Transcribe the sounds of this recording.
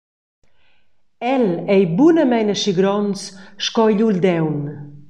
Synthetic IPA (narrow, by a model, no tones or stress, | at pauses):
ɛlɛjbunəmɛjnəʃiɡɾɔnsʃkɔjʎuld̪ɛwn